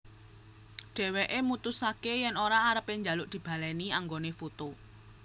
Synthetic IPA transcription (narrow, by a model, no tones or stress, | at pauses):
ɖ̥ɛ̤weʔemut̪usakejɛnoɾaːɾəpeɲd͡ʒalʊʔd̪̥i̤b̥a̤lɛniaŋɡonefot̪o